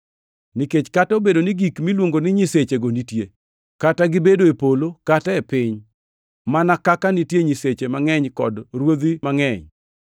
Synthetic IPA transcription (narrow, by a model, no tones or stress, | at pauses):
niket͡ʃkatobedonɪɡikmilwoŋɡonɪɲiset͡ʃeɡonitje | kataɡɪbedoepolokataɛpɪɲ | manakakanitjeɲiset͡ʃemaŋɛɲkɔdrwod̪imaŋɛɲ